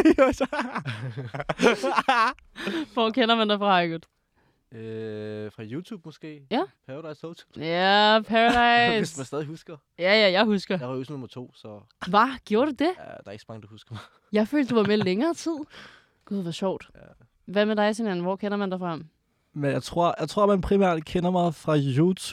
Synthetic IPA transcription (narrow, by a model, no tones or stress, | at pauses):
ʋɒ̰kʰenɐmænd̥ɑfʁɑ̈ɑɪɡ̥uðˠ | øfʁɑ̈juːt͡sʰuːb̥̚mɔsɡ̥e̝̰ːjæpʰæʁdɑ̈ɪsou̥jæpʰæʁad̥ɑɪsesmænsd̥ɛːðˠihusɡ̥ɐ | jæjæjɑ̈ɪhusɡ̥ɐjaʁusnɔmɐt͡sʰo̝̰ːsɒ | ʋɑɡ̥jo̝ːɐɾ̥ed̥e̝jæd̥ɑɐe̝ɡ̥sɒ̥̽mɑ̈ŋəd̥uhusɡ̥ɐmɑ̈ɪ | jɑ̈ɪfø̰ld̥d̥uʋɑ̈meleŋɐːt͡sʰið̞̰ˠ | ɡ̥uð̰ˠʋɒɕɒʊ̰d̥ | ʋæmed̥ɑ̈ɪsinænn̩ʋɒ̰ːkʰenɐmænd̥ɑfʁɑɑm | menjɑ̈ɪt͡sʰʁo̝ɐ̰jɑ̈ɪt͡sʰʁo̝ɐ̰mænpʰʁimæ̰ɐ̰d̥kʰenɐmɑ̈ɪfʁɑ̈jut͡sʰu̥